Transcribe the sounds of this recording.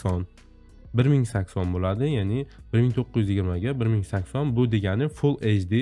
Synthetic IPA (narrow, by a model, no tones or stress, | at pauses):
ɒn | bɪɾmɪŋsakʲsɒnbolad̪ɪjanɪb̥ɪɾmɪŋt̪ʰoqʰːɪjyzjɪɡʲɪɾmaɡʲabɪɾmɪŋsakʲsɒnbʊd̪eɡʲanɪfʊlˠed͡ʒd̪i